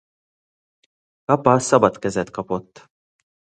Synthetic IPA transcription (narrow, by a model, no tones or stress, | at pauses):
kɐpɐsɐbɐt̪kɛzɛt̪kɐpɔt̪ː